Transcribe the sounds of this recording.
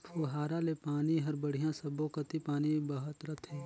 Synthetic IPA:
pʰuɦaːɾalepaːniɦɐɾbɐɽ̤ijãsɐbõkɐt̪ipaːnibɐɦət̪ɾɐt̪ʰɦɛː

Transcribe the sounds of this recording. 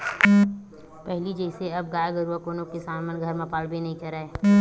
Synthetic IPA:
pɛɦlid͡ʒəɪseɐbɡaːjaɡəɾuakoːnõkesaːmənɡʱɐɾmãpaːlbʱinɐɦĩt͡ʃɐɾaeː

